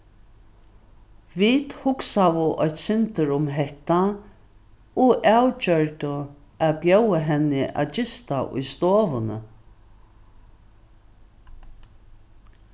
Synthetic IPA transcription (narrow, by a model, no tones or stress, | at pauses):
viːt̪hʊksaʋʊʔɔjht̪sɪnt̪əɾʊmɦɛht̪a | ɔʔawt͡ʃœɹt̪ʊ | aðbjœwaɦɛnːɪʔa̰ðt͡ɕɪst̪aʔʊ̰jst̪oːʋʊnə̰